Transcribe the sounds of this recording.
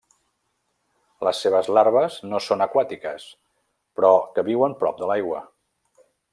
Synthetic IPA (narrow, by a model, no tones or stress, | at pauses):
ləsːeβəzlaɾβəznosonəkwat̪ikəs | pɾɔkəβiwəmpɾɔp̚d̪əlajɣwə